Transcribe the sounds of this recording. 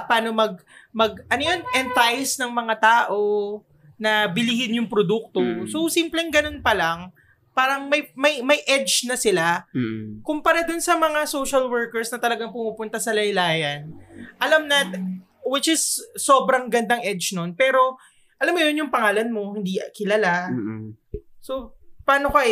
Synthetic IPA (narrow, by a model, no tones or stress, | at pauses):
paːno̞mɐɡ̚mɐɡ̚ʔɐnojo̞nʔɛnt̪ajsnɐŋmɐŋat̪aːʔo̞ | nɐbɪliɡɪnjʊŋpɾod̪uk̚t̪o̞sosimplɛŋɡɐno̞npɐlɐŋ | paːɾɐŋmɐjmɐjmɐjʔɛd͡ʒnɐsɪla | kʊmpɐɾad̪ʊnsɐmɐŋasowʃɐlwɛɹkɛɹsnɐt̪ɐlɐɡaŋpʊmupʊnt̪ɐsɐlɐjlaːjɐnʔɐlamnɐt̪ | wɪt͡ʃɪsːoːbɾɐŋɡɐnd̪aŋʔɛd͡ʒno̞npɛːɾo̞ | ʔɐlamːojonjʊŋpɐŋaːlɐnmo̞hɪnd̪ikɪlɐla | so̞paːnokɐʔɛ